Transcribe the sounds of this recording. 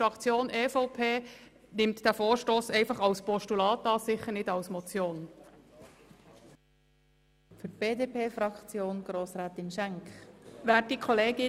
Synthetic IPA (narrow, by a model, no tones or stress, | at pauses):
ɾɑkt͡sjoːnʔeːfɔʊpʰeː | nɪmtd̥æfoːɹʃtoːsɛɪfɑχɑlspɔʃtulɑːtɑːsɪχənɪdɑlsmɔt͡sjoːn | fʏb̥eːdeːpʰeːfɾɑkt͡sjoːnɡ̥ɾoːsɾæːt̪ɪnʃæŋkχʋæːtdikʰɔleːɡɪ